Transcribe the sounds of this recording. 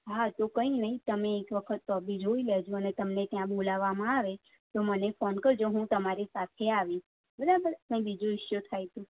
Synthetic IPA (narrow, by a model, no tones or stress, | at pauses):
ɦat̪okəĩnəɦĩt̪əmeːkʋəkʰət̪ːoəbid͡ʒoiled͡ʒõənet̪əmnet̪jãbolaʋamãaʋe | t̪omənefɔnkəɾd͡ʒoɦũt̪əmaɾisat̪ʰeaʋĩ | bəɾabəɾkĩbid͡ʒũɪʃjot̪ʰajt̪ũ